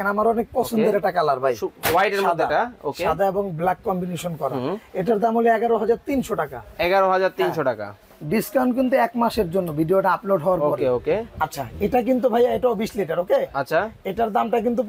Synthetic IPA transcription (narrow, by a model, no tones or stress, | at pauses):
kɛnamaɾɔnek̚pɔond̪eɾeʈakalaɾbʱajuwajʈeɾmoad̪ʱeao̰ʃkead̪aeboŋblakːɔmbineʃonkɔɾa̰eʈ̬aɾd̪amɦoleɛɡaɾoɦad͡ʑaɾt̪inʃoʈaka̰ɛɡaɾoɦad͡ʑaɾt̪inʃoʈaka̰ | ɖiskawnk̬int̪uɛkmaʃeɾd͡ʑonːobʱiɖioʈaaploɖɦɔoaɾoɔɾeokeatːɕʰaeʈak̬int̪ubʱajaeʈaobisliʈaɾokeaːɕʰaeʈaɾd̪amʈak̬int̪̬up